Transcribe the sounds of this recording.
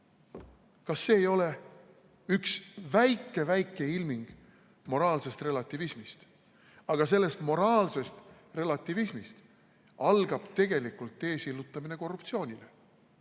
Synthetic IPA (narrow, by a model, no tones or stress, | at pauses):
kɑsːe̞ːjo̞le̞ | yksvæjkˑːe̞væjkːˑe̞ilmiŋɡ̥ | mo̞ɾɑːlse̞st̪re̞lɑt̪ːˑivismist̪ | ɑɡ̥ɑs̬e̞lːe̞st̪mo̞ɾɑːlse̞st̪ | re̞lɑt̪ːˑivismist̪ | ɑlɡ̥ɑb̥t̪e̞ɡe̞likult̪ːe̞ːsilːut̪ːˑɑmine̞ko̞rːupt̪sio̞ːnʲile̞